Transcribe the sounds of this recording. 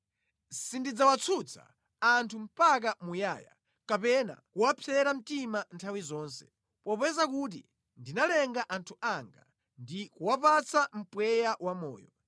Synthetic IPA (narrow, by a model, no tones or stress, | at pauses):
sindid͡zawat͡sʰut͡sʰa̰ | antʰum̩pak̬amujaːja̰ | kapɛna̰kuwapʰɛɛɾam̩timantʰawizɔːns̬ɛ̥̰ | pɔpɛzakuːt̬ḭ | ndinalɛŋɡaʔantʰuʔaŋɡa | ndikuwapat͡sʰam̩pwɛjawamɔ̰ːjɔ